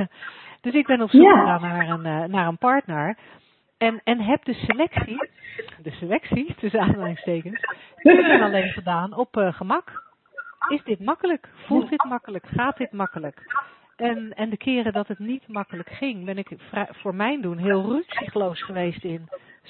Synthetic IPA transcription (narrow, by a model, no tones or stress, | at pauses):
d̥øsɪɡ̚bɛnɔpsukχəxaːnaɹənnaːɹənpɑɹtnəɹ | ɛnɛnɦɛp̚dəsəlɛksidəsəlɛksitʰøsaːanstejkənskɪɛnalejnfədaːnɔpχəmɑk | ɪsdɪtmɑkələkfulˠtɪtmɑkələkχaːt̚dɪtmɑkələk | ʔɛnɛndəkʰɪːrədɔtətnitmɑkələkχɪŋbɛnɪkfrɛfʊːɹmɛjndunɦɪːlˠrytsiχlowsχəʋejstɪn